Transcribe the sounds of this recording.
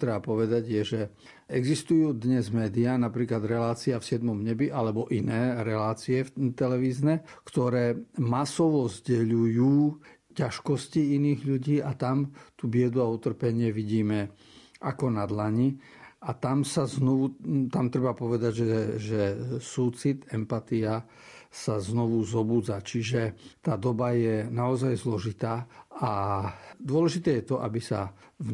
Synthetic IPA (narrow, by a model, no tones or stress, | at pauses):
t̪ɾɛbapɔʋɛd̪aɟjɛʒɛ | ɛɡzist̪ujuːd̪ɲɛzmɛːd̪ianapɾiːklad̪ɾɛlaːt͡siafsɪɛd̪mɔmɲɛbiʔalɛbɔʔinɛːɾɛlaːt͡siɛft̪ɛlɛʋiːznɛkt̪ɔɾɛːmasɔʋɔzɟɛʎujuː | caʃkɔsciiniːɣʎuɟiːat̪amt̪ubɪɛd̪uaut̪r̩pɛɲɪɛʋiɟiːmɛ | ʔakɔnad̪laɲi | at̪amsaznɔʋut̪amt̪ɾɛbapɔʋɛd̪aɟʒɛʒɛsuːt͡sit̪ɛmpat̪ia | saznɔʋuzɔbuːd͡zat͡ʃiʒɛt̪aːd̪ɔbajɛnaɔzajzlɔʒit̪aːa | d̪ʊɔlɛʒit̪ɛːjɛt̪ɔʔabisa̰v